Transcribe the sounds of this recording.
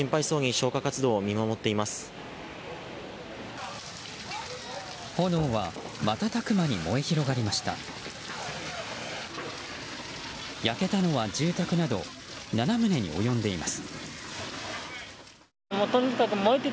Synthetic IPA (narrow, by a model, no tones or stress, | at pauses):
ĩmpaiso̞ːɲ̟iɕo̞ːkakat͡sɨd̪o̞ːmʲimamo̞t̪ːe̞imasɨ̥ | ho̞noːβa | mat̪at̪akɯ̟maɲ̟imo̞e̞çiɾo̞ɡaɾʲimaɕi̥t̪a̰ | jake̞t̪ano̞βad͡ʑɨːt̪akɯ̟nad̪o̞ | nanamɯ̟ne̞ɲ̟ḭo̞̰jõ̞nd̪e̞imasɨ̥ | mot̪onikakɯmoit̪ːe